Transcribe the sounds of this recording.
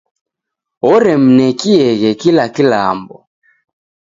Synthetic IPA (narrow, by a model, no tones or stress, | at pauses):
ɔɾɛm̩nɛkiɛɣɛkilakila̰mbɔ